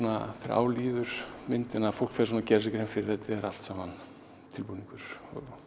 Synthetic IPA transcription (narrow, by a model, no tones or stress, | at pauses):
naθeɾʔʔa̰ːwliːðʏɾ̥mɪnt̪ɪnafowl̥kfɛɾs̬ɔmnacɛːɾɪs̬ɛkɪɾhɛmfɪɾɪɾ̥θɛt̪ːɪɛɾal̥t̪saːman | t̪ʰɪlpuniŋkʏɾ̥ɔ̰ɣ